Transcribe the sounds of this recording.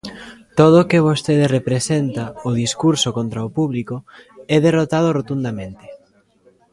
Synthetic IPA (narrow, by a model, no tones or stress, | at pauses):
t̪oð̞ʊkɪβ̞ost̪eðerepɾesent̪aʊðiskuɾsokont̪ɾaopuβlikoɛðerot̪að̞ʊrot̪und̪amẽnt̪ɪ̥